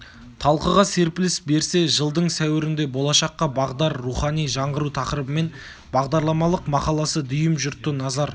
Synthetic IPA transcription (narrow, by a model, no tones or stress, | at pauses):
t̪ʰɑlˠqəʁɑse̞ɾpɪlɪsbe̞ɾse̞ʒəlˠd̪əɴsæwɪɾɪnd̪e̞bo̞lˠɑʃɑqːɑbɑʁd̪ɑɾːuχɑnijʒɑɴʁəɾut̪ʰɑqɾəbəme̞n | bɑʁd̪ɑɾlˠɑmɑlˠəqmɑqɑlˠɑsəd̪ʏjɪmʒʊɾt̪ːənɑzɑɾ